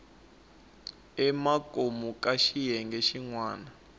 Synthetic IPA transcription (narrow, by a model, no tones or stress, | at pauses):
ɛmakʼomukʼaʃijɛŋɡɛʃiŋwaːna